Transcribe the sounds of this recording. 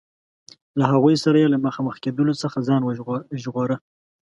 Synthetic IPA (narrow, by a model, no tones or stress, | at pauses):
laɦaɣujsaɾajelaməxɑməxked̪əlosəxazɑnwʒɣoɾə